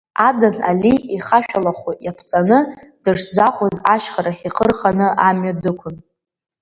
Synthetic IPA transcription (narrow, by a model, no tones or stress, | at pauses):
adana̰liiχaʃᶣalaχʷujapʰt͡sʼanɨd̥ɨʂzaχʷʼozaʃχaɾaχiqʰʼərχanɨamɥadɨkʷʰʊn